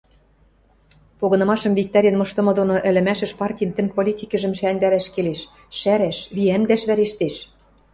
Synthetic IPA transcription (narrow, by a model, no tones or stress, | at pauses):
poɣɤ̆nɤ̆mɑʃɤ̆mvik̚t̪ɑɾʲĕnmɤ̆ʃt̪ɤ̆mɤ̆d̪onoʔɘ̆lɘ̆mæʃɘ̆ʃpɑrtʲij̆nt̪ɘ̆npolʲit̪ʲikɘ̆ʒɘ̆mʃænd̪æɾæʃkeleʃ | ʃæɾæʃβiænd̪æʃβæɾeʃt̪eʃ